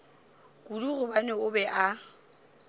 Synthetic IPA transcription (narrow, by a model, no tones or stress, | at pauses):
kʼuduɣʊbanɛʊbɛʔa